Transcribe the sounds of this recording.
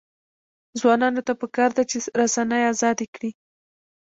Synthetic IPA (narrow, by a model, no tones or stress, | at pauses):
zwɑnɑnot̪apəkɑɾd̪at͡ʃeɾasanəjazɑd̪ekɽi